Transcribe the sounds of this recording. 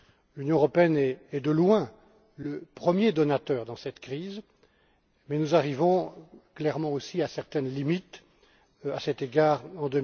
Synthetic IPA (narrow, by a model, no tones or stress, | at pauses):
lynjɔ̃əʁɔpeɛnɛɛd̪əlwɛ̃ | ləpχəmjed̪ɔnat̪œːʁd̪ɑ̃sɛt̪kχiz | mɛnuzaʁivɔ̃klɛʁmɑ̃osiasɛʁt̪ɛnlimit̪ | asɛt̪eɡaːʁɑ̃d̪ø